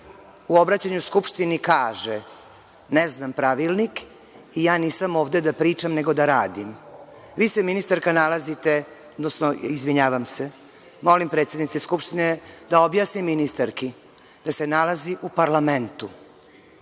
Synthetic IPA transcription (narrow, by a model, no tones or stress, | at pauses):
uo̞bɾat͡ɕaɲuskupʂt̪inikaːʒe | neznampɾaʋilˠnik | ijaːniːsamo̞ːvd̪e̞d̪apɾiːt͡ʃamne̞ɡo̞d̪aɾaːd̪im | ʋiːseminist̪aɾkanalˠazit̪e̞ | od̪nosnoizʋiɲaːʋamse | mo̞limpɾe̞t̪sjed̪nit̪seskupʃt̪ined̪aobjaːsniminist̪aɾki | d̪̥ase̞nalaziʔupaɾlament̪u